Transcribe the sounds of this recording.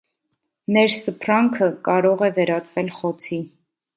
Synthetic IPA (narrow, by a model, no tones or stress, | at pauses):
nɛɾsəpʰrɑŋkʰəkɑɾɔʁɛvɛɾɑt͡svɛlχɔt͡sʰi